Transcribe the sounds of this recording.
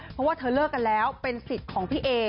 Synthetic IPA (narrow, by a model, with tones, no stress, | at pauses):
pʰɾɔ˦˥waː˥˩t̪ʰɤː˧lɤː˥˩kːa˧nlɛː˦˥wpe˧nsi˨˩t̪̚kʰɔː˩˦ŋt̪ʰiː˥˩ʔeː˧